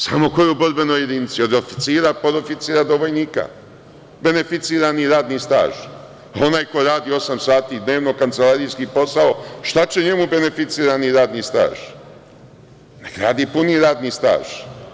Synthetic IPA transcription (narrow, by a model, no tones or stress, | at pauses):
samo̞ko̞jeuboɾbe̞nojed̪init̪sio̞d̪o̞fi̥t̪siːɾapoɾofit̪siːɾad̪o̞ʋo̞jniːka̰ | be̞ne̞fit̪siːɾaniɾaːd̪nist̪a̰ːʒ̥ | o̞naːjko̞ɾaːd̪iːo̞samsaːt̪id̪ne̞ːʋno̞kant̪se̞lˠaːɾijskipo̞sao̞ʃt̪at͡ɕe̞ɲe̞mube̞ne̞fit̪siːɾaniɾaːd̪nist̪a̰ːʒ̥ | nekɾa̰ːd̪ipuniːɾaːd̪nist̪a̰ːʒ̥